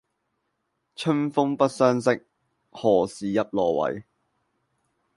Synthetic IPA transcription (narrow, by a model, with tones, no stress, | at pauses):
t͡ʃʰɵ˥nfʊ˥ŋpɐ˥t̚sœː˥nsɪ˥k̚ | hɔː˨˩siː˨jɐ˨p̚lɔː˨˩wɐ̰˨j